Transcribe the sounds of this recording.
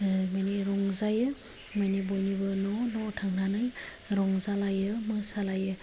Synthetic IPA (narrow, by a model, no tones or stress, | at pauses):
majniɾɔŋzajɯ | majnibɔjnibɯnɔnɔtʰaŋnanɯj | ɾɔŋzalajɯmɯsalajɯ